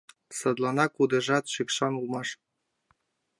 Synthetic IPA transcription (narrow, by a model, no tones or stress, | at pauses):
sɤ̆d̪lˠɑnɑkud̪ɤ̆ʒɑt̪ʂikʂɑnulˠmɑʂ